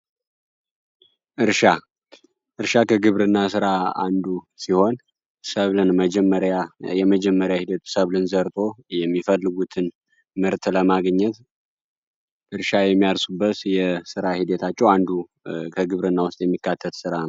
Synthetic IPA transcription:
ʔɨɾʃa | ʔɨɾʃakʰəɡɨβɾɨnːasɨɾaa̰nd̪u | siho̞n | səβlɨnməd͡ʒɛmːəɾjajɛməd͡ʒɛmːəɾjahid̪ət̪səβlɨnzəɾt̪ʼʰo̞jɛmːifəlːɨɡut̪ʰɨn | mɨɾt̪ʰʼləmaɡɲːɛt̪ | ʔɨɾʃajɛmːijalsubːət̪jɛsɨɾahid̪ət̪ʰat͡ʃːɛwand̪u | kʰəɡɨβɾɨnːawʊst̪ʼjɛmːikːat̪ʰːət̪sɨɾan

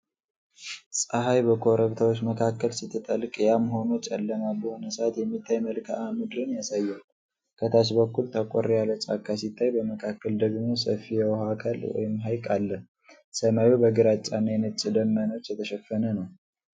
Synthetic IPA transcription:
sʼaɦajbəkʰo̞ɾəβt̪ʰawot͡ʃːməkʰakːəlsit̪ʰːɨt̪ʼəlkʼjamɦo̞not͡ʃʼɛlːəmalbəho̞nəsəat̪jɛmːit̪ʰːajməlkʰaʔamɨd̪ɾɨnjasajːal | kʰət̪ʰaʃ̬bəkːult̪ʰakʼoɾijalət͡ʃʼakʰːasit̪ʰːajbəməkʰakːəld̪əɡmo̞sə̰fːijɛwɦakʰalwɔ̰jɪmɦajkʼalːə | səmajubəɡɨɾat͡ʃʼːanːajɛnət͡ʃʼːɪd̪əmːano̞t͡ʃːjɛt̪ʰəʃɛfːənənəw

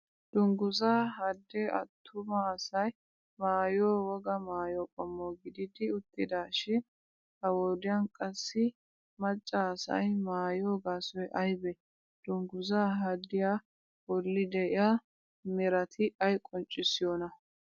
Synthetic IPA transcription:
d̪̥ʊŋɡʊzaːɦɐd̪ːɛːɐ̰t̪ʰːʊmɐːsɐj | maːjoːwɔɡɐmaːjoːkʼɔmːoːɡɪd̪ɪd̪ɪʊt̪ːɪd̪aːʃɪn | ɐwoːd̪ɪjɐnkʼɐsːɪ | mɐt͡ʃʼːaːsɐ̰jmaːjoːɡaːsɔjʔɐjbɛ | d̪̥ʊŋɡʊzaːɦɐd̪ːɪja | wɔlːɪd̪ɛɪja | mɛɾɐt̪ʰɪɐjkʼɔnt͡ʃʼːɪsːɪjoːnɐ

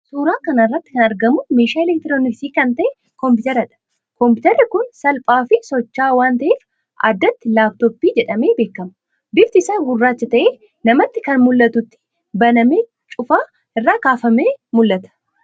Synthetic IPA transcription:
suːɾaːkɐnɐɪrːɐt̪ːɪ̥kɐnɐɾɡɐmʊmeːʃaːɛlɛk̚t̪ɪɾoːnɪksiːkɐnt̪ɐʔɛ | kɔmpɪt̪ɛɾɐᶑɐ̥ | kɔmpɪt̪ɛɾːɪkʊnsɐlpʼaːfɪsɔt͡ʃːaːwaːnt̪ɐʔeːf | ʔa̰ːd̪ːɐt̪ːɪlaːbt̪opːiːd͡ʒɛᶑɐme̞ːbe̞ːkːɐmɐ | bɪft̪ɪsaːɡʊrːaːt͡ʃːɐt̪ɐʔeː | nɐmɐt̪ːɪkɐnmʊlːɐt̪ʊt̪ːɪ̥ | bɐnɐmeː | t͡ʃʼʊfaː | ɪrːaːkaːfɐmeːmʊlːɐt̪ɐ̥

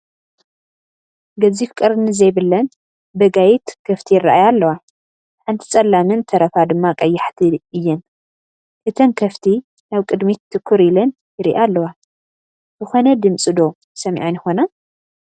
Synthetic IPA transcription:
ɡɐzifkʼɐɾɨnɨzɐjbɨlːɐn | bɐɡajɛt̪kʰɐft̪ʰijɪrːa̰ʔajalːɐwa | ħant̪ʰi̥t͡sʼɐlːamɨnt̪ʰɐɾɐfad̪ɨmːakʼɐjːaħt̪ʰɨɨjːɨn | ʔɨt̪ʰɐnkʰɐft̪ʰi | naβkʼɨd̪miɨkʰːuɾilɐn | jɪɾḭʔalːɐwa | zɨxo̞nɐd̪ɨmt͡sʼɨd̪o̞ | sɐmʕinɪxo̞na

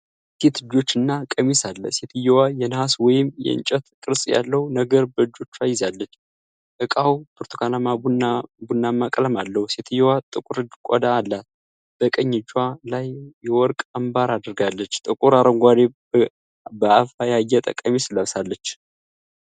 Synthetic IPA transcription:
set̪ɨd͡ʒo̞t͡ʃːɨnːakʼəmisalːə̰se̞t̪ʰɨjɛwajɛnhaswɔjɪmjɛ̰ɨ̰nt͡ʃʼət̪kʼɨɾsʼja̰lːəhunəɡəɾbəɨd͡ʒːo̞t͡ʃːajːɪzalːət͡ʃː | ʔɨkʼawt̪ʰuɾt̪ʰu̥kʰanamaunabunːamːakʼləmalːəhuset̪ʰɨjːɛwat̪ʼɨkʼuɾɨd͡ʒkʷʼɔ̰d̪aːlːat̪ | b̥əkʼəɲːɪd͡ʒwalajːɛwɔɾkʼəmbaɾad̪ɾɡalːət͡ʃːt̪ʼɨkʼuɾaɾəŋɡʷad̪e | bəafajajːɛt̪ʼə̰kʼəmisɨləβsalːət͡ʃː

